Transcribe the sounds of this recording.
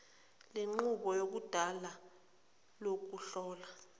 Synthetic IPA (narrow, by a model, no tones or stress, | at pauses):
leŋ͡ǃuɓɔjok̬ud̥ʱala | lok̬uɬɔːla